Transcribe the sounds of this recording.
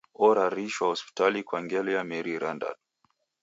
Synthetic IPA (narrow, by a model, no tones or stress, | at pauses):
ɔɾaɾiʃwahɔspi̥talikwaŋɡɛlɛjamɛɾiɾanda̰n